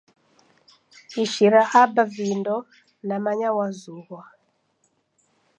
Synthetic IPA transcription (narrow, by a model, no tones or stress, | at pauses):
iʃiɾaʔabavindɔ | namaɲawazuɣwa